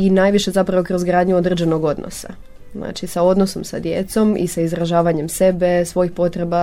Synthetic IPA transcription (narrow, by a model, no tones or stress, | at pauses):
inaːjʋiʃe̞zapɾaʋo̞kɾo̞zɡɾaːd̪ɲuo̞d̪ɾed͡ʒeno̞ɡo̞d̪no̰sa̰ | zna̰ːt͡ʃisao̞d̪no̞so̞msa̰d̪jḛt̪so̞mḭsaizɾaʒaːʋaɲe̞mse̞be̞sʋo̞jixpo̞t̪ɾe̞ba